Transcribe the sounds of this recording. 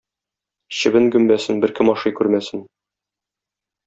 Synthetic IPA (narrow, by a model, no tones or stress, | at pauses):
ɕɘ̆bɘŋɡɵ̆mbæsɘnbɘ̆ɾkɘmɒʃɤjkʉɾmæsɘn